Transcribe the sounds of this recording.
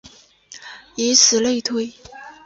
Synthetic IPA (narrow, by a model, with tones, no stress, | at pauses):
i˧˥sɹ̩˨˩le˥˧ɪt̪ʰwe˥˩ɪ